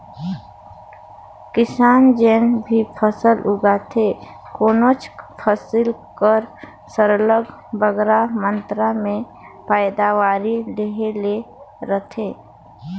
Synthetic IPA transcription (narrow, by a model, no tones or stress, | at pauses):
kɪsaːnd͡ʒeːnbʱipʰəsəlʊɡaːt̪ʰe | koːnot͡ʃpʰəsɪlkəɾ | səɾələɡ | bəɡɾamə̃nt̪ɾamẽ | paɪd̪aʋaːɾileɦeleɾət̪ʰeː